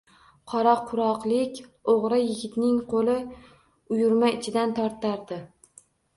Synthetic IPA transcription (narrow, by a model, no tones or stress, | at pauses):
qʰɒɾaqʰʊɾɒqlˠɪkʲoʁɾajɪɡʲɪt̪nɪŋqʰolɪ | ʊjʊɾmaɪt͡ʃʰɪd̪ant̪ʰɒɾt̪aɾd̪ɪ